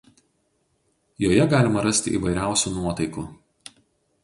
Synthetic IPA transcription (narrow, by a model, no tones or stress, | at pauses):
joːjɛɡɑːlʲɪmɐɾɐsʲt̪ʲɪ̰ʔḭːʋɐɪɾʲæˑʊsʲuːnuɔt̪ɐɪkuː